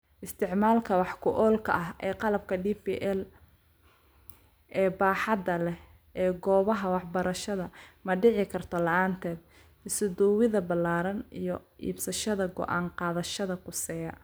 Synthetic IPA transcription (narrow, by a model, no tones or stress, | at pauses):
ʔɪst̪ʰɪʕmaːlkʰɐwɑħkʰʊʔɔːlkʰɐ̰ʔɐɦʔɛːqɑlɐb̚kʰɐɖiːpḭːʔɛl | ʔɛːbaːħɑd̪ɐlɛh | ɛːɡɔːβɐɦɐwɑħbɐɾɐʃɐðɐmɐɖɪʕɪkʰɐrt̪ʰɔlɐʔaːnt̪ʰɛːd̪̚ | ɪsʊd̪ɔwɪðɐbɐlaːɾɐnijɞʔḭːbsɐʃɐðɐɡɔ̰ʔaːnqɑːðɐʃɐðɐkʰʊsɛjɐ̰